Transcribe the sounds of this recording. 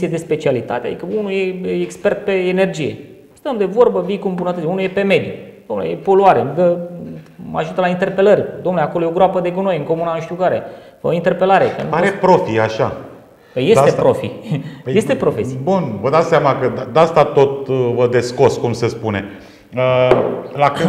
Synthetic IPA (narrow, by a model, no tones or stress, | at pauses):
sied̪e̞spe̞t͡ʃialit̪a̰t̪ead̪ikəunujeeːkspe̞rt̪̚pe̞ːne̞rd͡ʒije̞̰ | st̪əmd̪e̞vo̞rbəbikumbunət̪ət̪iunuje̞pe̞me̞d̪jud̪omnlḛjepo̞luaɾed̪ə | ma̰ʒut̪əlaint̪e̞rpe̞lərʲd̪omneleakolojeo̞ɡɾoapəd̪e̞ɡuno̞jɨŋko̞munanʃt̪juɡaɾḛ | əint̪e̞rpe̞laɾekḛnpaɾepɾo̞fiaʃa̰ | pəjesst̪epɾo̞fḭjest̪e̞pɾo̞fessibunvəd̪at̪seamakəd̪ad̪ast̪at̪o̞t̪vəd̪e̞sko̞skumsespune | əlakɨ